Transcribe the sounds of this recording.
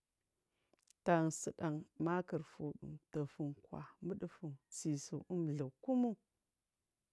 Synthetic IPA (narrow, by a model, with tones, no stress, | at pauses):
ta˨ŋ˨sə˨ɗa˨ŋma˦kə˨ɾfu˨ɗṵ˨mtə˨fu˨ŋkwa̰˨mə˦ɗə˦fu˨nsi˨su˨ʔu˦m˨ɮə˨ku˦mu˦